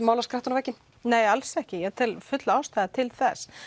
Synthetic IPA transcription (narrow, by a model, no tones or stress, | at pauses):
mawlaskɾaht̪ʏnavɛcːɪn | neːjalsɛhcɪjɛɣt̪ʰɪlfʏt̪laawst̪aðat̪ʰɪlθɛs